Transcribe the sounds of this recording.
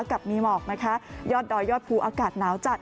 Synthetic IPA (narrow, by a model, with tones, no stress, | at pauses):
ka˨˩p̚miː˧mɔː˨˩k̚na˦˥kʰa˦˥jɔː˥˩t̪̚dɔː˧jɔː˥˩t̪̚pʰuː˧ʔaː˧kaː˨˩t̪̚naː˨˦˥wt͡ɕa˨˩t̪̚